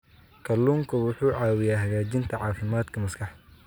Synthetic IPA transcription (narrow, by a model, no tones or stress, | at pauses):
kʰɐlːuːŋkʰɐwʊħuːʕɑːwɪjaːɦɐɣaːt͡ʃɪnt̪ʰɐʕɑːfɪmaːd̪kʰɐmɐskʰɑħ